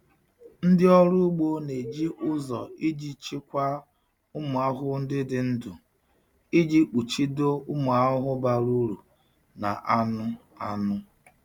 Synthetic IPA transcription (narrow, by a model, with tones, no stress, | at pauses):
n̩˦dɪ˦ɔ˦ɾʊ˦u˦ɡ͡bo˦ne˨d͡ʒi˦ʔʊ˦zɔ̰˨i˦d͡ʒi˦t͡ʃi˦kʷa˦ | ʊ˦mʊ˨a˦ɦʊ˦n̩˦dɪ˦dɪ˨˦n̩˦du˨ | i˦d͡ʒi˦k͡pu˨t͡ʃi˦do˦ʊ˦mʊ˨a˦ɦʊ˦ɦʊ˦ba˨ɾu˦ɾu˨ | na̰˨ʔa˦nʊ˦a˦nʊ˦